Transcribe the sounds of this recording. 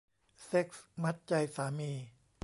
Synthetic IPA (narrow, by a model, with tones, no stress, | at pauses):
se˦˥k̚sma˦˥t̪̚t͡ɕa˧jsaː˩˦miː˧